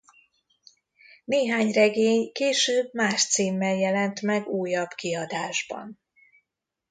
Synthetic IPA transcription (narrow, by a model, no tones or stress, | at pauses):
neːɦaːɲrɛɡeːɲkeːʃøːbmaːʃt̪siːmːɛljɛlɛnt̪mɛɡuːjɒbkiɒd̪aːʒbɒ̰n